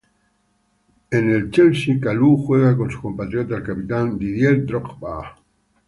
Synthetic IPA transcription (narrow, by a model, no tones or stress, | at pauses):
enelt͡ʃelsikaluxweɣako̞nsu̥ko̞mpat̪ɾjot̪aelkapit̪and̪iðjeld̪ɾokba̰